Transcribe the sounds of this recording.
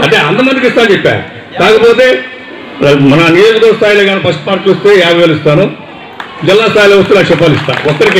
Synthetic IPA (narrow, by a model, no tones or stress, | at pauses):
ɐ̰ɳʈeːɐnt̪ɐmɐnd̪ikiʂt̪aːnt͡ʃɛpːa̰ːɾṵ | kaːkɐpoːt̪e̞ː | mɐnɐnijoːd͡ʒɐɡ̪oːɾɐst̪ʰaːjloːɡaːnipɐsʈpaːɾʈːilost̪eːjaːɡɐɡɐːlist̪aːnu | d͡ʒɛlːaːst̪ʰaːjiloːʋɐs̬t̪eːnaːkt͡ʃɛp̬ːaːlist̪a̰ːɔkːɐɾiki